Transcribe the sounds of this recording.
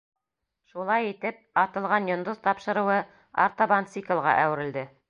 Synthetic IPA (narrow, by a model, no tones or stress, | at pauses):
ʃulˠɑjit̪ɘp̚ɑt̪ɤ̆lˠʁɑnjŏnd̪oz̥t̪ɑpʃɤ̆ɾɤ̆wɤ | a̰ɾt̪obant̪sikə̆lˠʁɑ̰ʔæwɘ̆ɾɘ̆ld̪ɘ